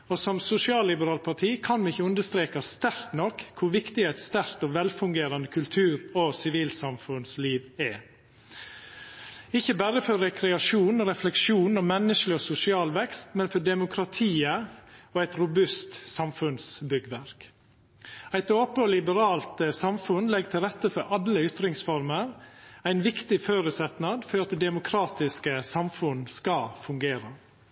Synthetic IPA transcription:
osɔmsʊsɪɑːlːɪbəɾɑːl̚pʰɑʈʰiːkʰɑnʋɪçːəʉnd̪əst̪ɾeːkɑst̪æɾt̪nɔkʰːʊɾʋɪkt̪ɪɛɪt̪st̪æɾt̪ɔʋɛlfʉŋɡeːɾɑnd̪əkʰʉlt̪ʰʉːɾɔsɪʋiːlsɑmfʉnsliːʋɛ | ɪçːəbæːɾəfɔɾːɛkʰɾɛɑʂuːnɔɾɛflɛkʂuːn̩ɔmɛnːəʂlɪɔsʊsɪɑːlʋɛkst̪mɛnfɔɖɛmʊkʰɾɑt̪ʰiːəoːæɪt̪ɾʊbʉst̪sɑmfʉnsbʏɡʋæɾk | æɪt̪oːpəɔlɪbəɾɑːlt̪əsɑmfʉnlɛɡt̪ʰɪlɾɛt̪ːəfɔɾɑlːəʏt̪ɾɪŋsfɔɾməɾæɪnʋɪkt̪ɪføːɾʉsɛt̪nɑd̪fɔɾɑt̪d̪ɛmʊkʰɾɑːt̪ɪskəsɑmfʉnskɑfʉŋɡeːɾə

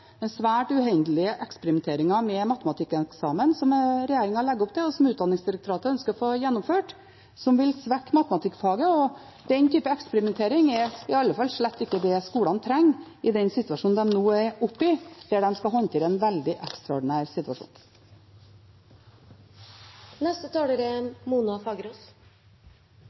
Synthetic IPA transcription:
d̪ɛnsʋæːʈʉhɛnd̪əlɪəʔɛkspəɾɪmɛnt̪ʰeːɾɪŋɑmɛmɑt̪əmɑt̪ʰɪkːɛksɑːmənsɔmɾɛjeːɾɪŋɑlɛɡːəʊpt̪ɪlɔsɔmʉːt̪̚d̪ɑnɪŋsd̪ɪɾək̚t̪ʰʊɾɑːt̪əɾœnskəɾɔfoːjɛnːʊmføːʈ | sɔmʋɪlsʋɛkːmɑt̪əmɑt̪ʰɪkːfɑːɡəɔ | d̪ɛnt̪ʰyːpəɛkspəɾɪmɛnt̪ʰeːɾɪŋɛɾɪɑlːəfɑlːʂɭɛt̪ːɪkːəd̪ɛskuːlɑnt̪ʰɾɛŋː | ɪd̪ɛnsɪt̪ʉʋɑʂuːnd̪ɛmnoːɛɾʊpːɪd̪̥æɖɛnskɑɦɔnt̪ʰɪlɛnʋæld̪ɪʔɛkst̪ɾɑɔ̰ɖɪnæːɾsɪt̪ʉʋɑʂṵːn | nɛst̪ət̪ʰɑːɽəɾəmuːnɑfɑɡɾuːs

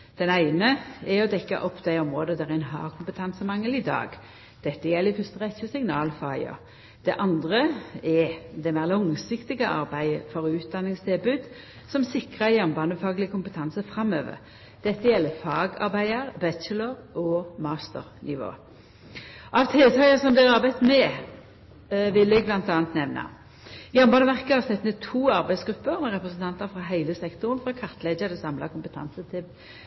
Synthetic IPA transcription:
d̪̥ɛnæɪnəɛɔd̪ɛkːɑ̰ʔɔpːd̪æɪɔmʁoːd̪əd̪æʁɪnɦɑ̰ːkʰʊmpət̪ʰɑnsəmɑŋːəlɪd̪ɑ̰ːɡ | d̪̥ɛt̪ːəjɛlːɪfʉst̪əʁɛt̪çəsɪŋnɑːlfɑːɪɑ̰ | d̪̥ɛʔɑnd̪ʁəɛd̪ɛmæːʁlɔŋsɪkt̪ɪɡəʔɑ̰ɾbæɪəfɔʁʉːt̪̚d̪ɑnːɪŋst̪ʰɪlbʉːd̪ | sɔmsɪkʁəjɛmbɑnəfɑːɡlɪkʰʊmpət̪ʰɑnsəfʁɑmøːʋə̰ʁ | d̪̥ɛt̪ːəjɛlːəfɑːɡɑ̰ʁbæɪəʁbɛələʁɔmɑːst̪əʁnʔɪʋo̰ː | ɑʋt̪ʰɪlt̪ʰɑəsɔmd̪ɛʁɑɾbæɪt̪mɛ | ʋɪlːɛɡblɑnt̪ɑːnt̪nɛʋnɑ̰ | jɑmbɑːnəʋæʁkəhɑʁsɛt̪ːnət̪ʰuːɑʁbæɪsɡɾʉpːəʁmɛʁɛpʁəsn̩t̪ɑnt̪əɾfʁɑɦæɪləsɛkt̪ʊʁnfʁɑkʰɑʁt̪leːd̪əd̪ɛsɑmlɑ̰kʊmpət̪ʰɑ̰nsət̪ʰɪl

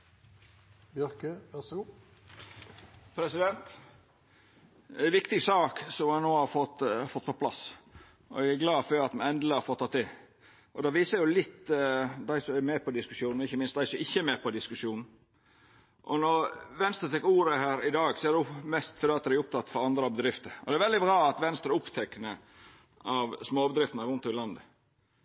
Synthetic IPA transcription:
bjœɾkəʋæsɡu | pʰɾɛsɪd̪ɛnt̪ | æɪʋɪkt̪ɪɡsɑːksɔmhɑnoːhɑfɔt̪fɔt̪ːpʰɔpʰlɑ̰s | ɔ̰æɡæɡlɑːføɾɑt̪mɛnɛnd̪l̩əhɑɾfɔt̪ːɑt̪ʰːɪ | ʔɔd̪ɑːʋiːsəɾjʊlɪt̪ːd̪æɪsɔæmɛːpɔd̪ɪskʉʂjuːn̩ɪçːəmɪnst̪d̪æɪsɔmɪçːəmeːpʰɔd̪ɪskʉʂjuːnn̩ | ʔɔnɔɾʋɛnst̪ɾət̪ʰɛkːuːɾəhæːɾɪd̪ɑːɡsɔæd̪ɛmɛst̪fɔɾd̪ɛːɑt̪d̪ɾæʊʊp̚t̪ʰɑt̪ːfɔɾɑnd̪ɾɑbəd̪ɾɪft̪əɾɔd̪ɛæɾʋɛld̪ɪbɾɑːɑt̪ʋɛnst̪əɾəʊpt̪ʰɛkːənə | ʔɑʋsmoːbəd̪ɾɪft̪n̩əɾʉnt̪ʰɔɪlɑnd̪ə

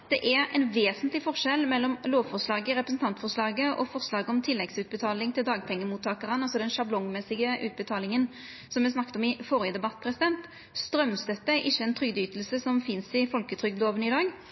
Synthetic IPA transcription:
d̪̥ɛʔæɛnʋeːsənt̪lɪfɔʁʂɛlːmɛlːɔmloːʋfɔʁʂlɑːɡəɪɾɛpɾəsn̩t̪ɑnt̪fɔʁʂlɑːɡəʔɔ̰fɔʁslɑːɡəɔmt̪ʰɪlːɛɡsʉːt̪̚bət̪ʰɑːlɪŋt̪ʰɪld̪ɑːɡ̚pʰɛŋːəmuːt̪ʰːɑːkəʁənɑlsɔd̪ɛnʃɑblɔŋmɛsːɪɡəʔʉ̰ːt̪̚bət̪ʰɑːlɪŋən | sɔmʋɛsnɑkːt̪ɔmɪfɔɾɪjəd̪ɛbɑt̪ːpʰɾɛsɪd̪ɛnt̪ | st̪ɾœmst̪ɛt̪ːəʔɪçːəɛnt̪ʰʁʏɡd̪yːt̪lsəsɔmfɪnsɪfɔlkət̪ʰʁʏɡ̪loːʋənɪd̪ɑːɡ

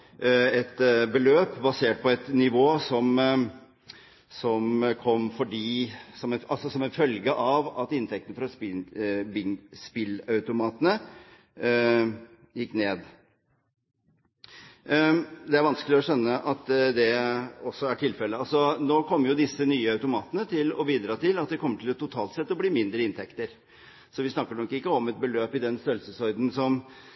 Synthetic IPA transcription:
ɛt̪bəløːpbɑseːʈ̚pʰɔɛt̪nɪʋoːsɔm | sɔmkʰɔmːfɔɖiːsɔmɛnʔɑlsɔsɔmɛnfœlɡəʔɑʋɑt̪ɪnt̪ʰɛk̚t̪ənəfɾɑspɪbspɪlɑʉt̪ʊmɑːt̪ənə | jɪkːneːd̪ | d̪ɛæɾʋɑnsklɪɔɕœnːəʔɑt̪d̪ɛɔsːɔæʈʰɪlfɛlːəɑlsɔnoːkʰɔmːəɾjʊd̪ɪsːənyːəɑʉt̪ʊmɑːt̪ənət̪ʰɪlɔ̰biːd̪ɾɑːt̪ʰɪlɑt̪̚d̪ɛkʰɔmːəʈʰɪlɛt̪ːʊt̪ʰɑːlt̪sɛt̪ːɔbliːmɪnd̪ɾəɪnt̪ʰɛkt̪əɾ | sɔʋɪsnɑkːəɳɔkːɪkːəɔmɛt̪̚bəløːpɪd̪ɛnsœlsəsɔɾd̪n̩sɔm

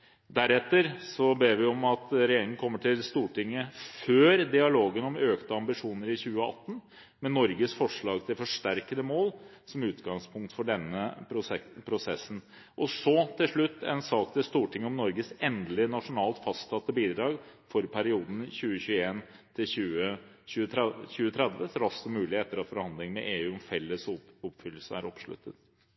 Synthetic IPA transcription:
d̪æɾɛt̪ːəɾsɔbeːʋɪɔmɑt̪ɾɛjeːɾɪŋən̩kʰɔmːəʈʰɪlst̪uːʈɪŋːəføːɾd̪ɪɑloːɡənɔmøːkt̪əɑmbɪʂuːnəɾɪçʉːəɑ̰t̪ːn̩ | mɛnɔɾɡəsfɔʂɭɑːɡt̪ʰɪlfɔʂʈæɾkəd̪əmoːlsɔmʉːt̪ɡɑŋspʰʊŋk̚t̪fɔɖɛnːəɾʊɛpʰɾʊsɛsːn̩ | ʔɔsɔt̪ʰɪlʂɭʉt̪ːɛ̰nsɑːk̚t̪ʰɪlst̪uːʈʰɪŋːəɔmnɔɾɡəsɛnd̪əlɪnɑʂʊnɑːlt̪fɑst̪sɑt̪ːəbiːd̪ɾɑːɡfɔɾpʰæɾɪuːd̪n̩çʉːəçʉːəeːn | t̪ʰɪlʉːə | çʉːəçʉːət̪ʰɾɛd̪ʋəsɾɑsɔmʉːlɪeɛt̪ːəɾɑt̪fɔɾhɑnd̪lɪŋənmɛʔeːʉːɔmfɛlːəsɔpfʏlːəsəæ̰ɾɔpʂɭʉ̰t̪ːət̪

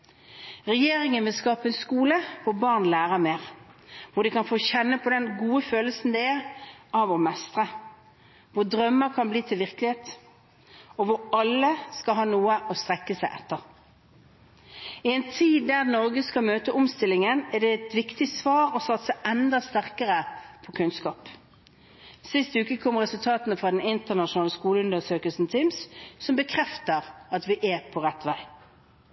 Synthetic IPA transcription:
ʁɛjeːʁɪŋənʋɪlskɑːpəɛnskuːləʋʊbɑʁnlæːʁəmeːʁ | ʋʊɖ̪ɛkɑnfoːçɛnːəpʰɔd̪ɛnɡuːəføːləlsn̩d̪ɛæʁʔɑʋɔmɛst̪ʁə | ʋʊʁd̪ʁœmːəkʰɑnbliːt̪ʰɪlʋɪʁklɪheːt̪ | ɔʋʊɾɑlːəskɑlɦɑːnuːəʔɔst̪ʁɛkːəsæɪʔɛt̪ːəʁ | ɪɛnt̪ʰiːd̪d̪æʁnɔʁɡəskɑmøːt̪əʔʊmst̪ɪlːɪŋənɛd̪ɛɛt̪ʋɪkt̪ɪsʋɑːɾɔsɑt̪ːsæɪʔɛnd̪ɑst̪æʁkəʁəpʰɔkʰʉnskɑːp | sɪst̪ʉːkəkʰɔmːəʁɛsʉlt̪ʰɑːt̪nəfʁɑd̪ɛnɪnt̪əʁnɑʃʊnɑːləskuːləʉnd̪əsøːkəlsn̩t̪ʰimssɔmbəkʰʁɛft̪əʁɑt̪ʋɪʔɛpʰɔʁɛt̪ːʋæɪ

